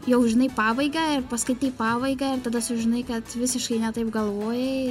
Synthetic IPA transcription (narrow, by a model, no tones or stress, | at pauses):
jɛʊʒʲɪnɐɪpɑːbɐɪɡɐɪrpɐskɐɪt̪ʲiɪpɑːbɐɪɡɐɪrt̪ɐd̪ɐsʊʒʲɪnɐɪkɐt̪ʋʲɪsʲɪʃkɐɪnʲɛt̪ɐɪpɡɐlˠʋoːjɛ